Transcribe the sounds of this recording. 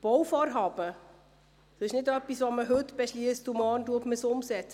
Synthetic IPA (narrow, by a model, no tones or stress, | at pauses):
b̥ɔwfɔːɾɦɑːb̥ə | soɪʃnɪdœpːisʋoməɦɵtb̥ɛʃliəstumɔːnduətməsʊmsɛt͡sə